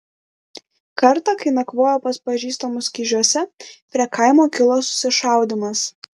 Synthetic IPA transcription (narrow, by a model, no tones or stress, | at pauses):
kɐɾt̪ɐkɐɪnɐkʋoːjoːpɐspɐʒʲiːst̪omʊsʲkʲiʒʲuɔsʲɛpʲɾʲɛkɐˑɪmoːkʲɪlˠoːsʊ̥sʲɪʃɑˑʊd̪ʲɪmɐs